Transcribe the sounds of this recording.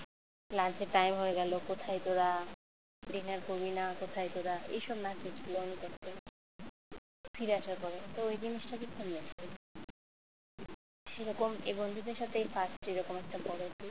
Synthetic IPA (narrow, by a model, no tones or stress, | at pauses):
lant͡ɕeʈajmɦoeɡɛlokot̪ʰajt̪oɾa | ɖinaɾkobinakot̪ʰajt̪oɾaḛjʃɔbnakʰit͡ɕʰiloonit̪ɛkte | fʰiɾaʃaɾkɔɾet̪oojd͡ʑiniʃʈakikʰomiasi | ʃeɾɔkomḛbond̪ʱud̪eɾʃat̪ʰejfʰasʈeɾɔkomɛk̚ʈabɔɾet̪ʰi